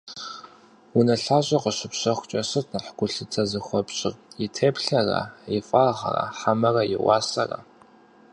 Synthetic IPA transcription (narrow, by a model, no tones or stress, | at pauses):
ʊnɐɬaːɕʼɐqəɕɪpɕɐxʷt͡ʃʼɐsɨtʰnɨħɡʷʊɬɨtʰɐzɨxʷɔpɕʼɪrjɪtʰeːpɬɐra̰ɪfʼaʁɐ̰ra̰ħamɐrɐjɪ̰wɑ̰ːsɐrɐ̰